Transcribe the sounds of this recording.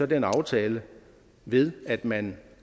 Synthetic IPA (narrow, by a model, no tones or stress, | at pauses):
ɒ̽denɑ̈ʊt͡sʰɛːlə | ʋe̝ð̞ˠæd̥mæn